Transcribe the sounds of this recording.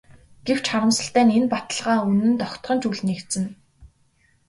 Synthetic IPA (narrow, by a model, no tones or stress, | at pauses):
ɡ̥ew̥t͡ɕʰχaɾə̆msə̆ɬt̪æːnenpat̪ə̆ɮʁaːunɘ̆nt̪ɔkt̪ʁɞ̆nt͡ɕuɮnekt̪sɘ̆n